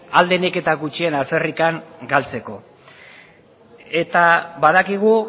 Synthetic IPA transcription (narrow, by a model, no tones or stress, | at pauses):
ald̪eneke̞t̪aɣut͡ʃie̞nalferikaŋɡalt͡se̞ko̞ | e̞t̪aβaðakiɣ̞u